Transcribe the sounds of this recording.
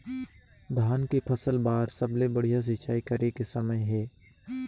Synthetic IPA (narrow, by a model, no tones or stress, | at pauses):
d̪ʱaːnkepʰəsəlbaːɾsəblebəɽ̤ijas̬ɪt͡ʃaːikəɾekesəməjɦɛː